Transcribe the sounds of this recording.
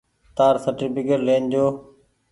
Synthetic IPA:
t̪aːɾsəʈɪpɪkəɾleːnd͡ʑoː

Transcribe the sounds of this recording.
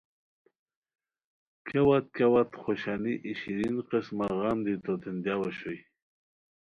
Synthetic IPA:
kʰewat̪̚kawat̪χoɕaniʔiɕiɾinqesmaʁamd̪it̪ot̪end̪jawaɕoj

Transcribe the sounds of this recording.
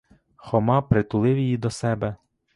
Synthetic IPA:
xɔmɑpɾɪt̪ʊlˠɪwjijid̪ɔsɛbɛ

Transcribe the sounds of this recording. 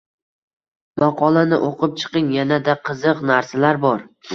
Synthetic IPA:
mɑqʰɒlˠanɪʔoqʰɨp̚t͡ʃʰɨ̥qɨŋjanad̪aqʰɨzɨqnaɾsalaɾbɒɾ

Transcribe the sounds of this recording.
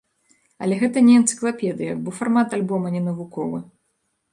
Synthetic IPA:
ɐlʲɛɣɛt̪ɐnʲɛɛnt̪sɨ̥klˠapʲɛd̪ɨjɐbɔfarmat̪alʲbɔmɐnʲɛnɐvukɔvɨ

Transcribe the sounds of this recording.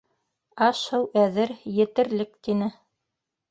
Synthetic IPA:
ɑʃɤwʔæðɘɾjɘ̆t̪ɘ̆ɾlɘk̚t̪inɘ

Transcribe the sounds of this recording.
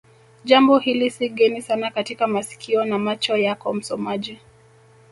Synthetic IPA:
ʄambɔhilisiɠɛnisanakatikamasi̥kʰiɔnamat͡ʃɔjakɔm̩sɔmaʄi

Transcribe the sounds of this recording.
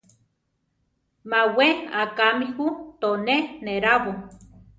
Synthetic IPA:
maweakamihut̪oneneɾaβo

